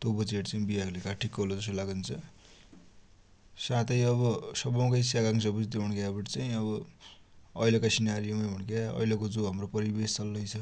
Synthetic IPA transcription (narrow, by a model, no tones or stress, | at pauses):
t̪obʌt͡seʈt͡saĩbiaɡlekaʈʰikːʌɦolod͡zʌsolaɡunt͡sʰʌ | sãt̪ʌjʌβʌsʌbʌw̃kʌjsjaɡaŋs̬ʌbut͡sd̪euɳkabiʈt͡saj̃ʌβʌ | ʌjlekasinaɾijomajbʱuɳkjaʌ̰jlekod͡zuɦamropʌɾibest͡sʌlːʌjt͡sʰʌ